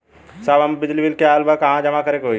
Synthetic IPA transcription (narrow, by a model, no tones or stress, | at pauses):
sabɐmbɪd͡ʒlibɪlkeaːlbakɐɦãd͡ʒɐmakɐɾekɦo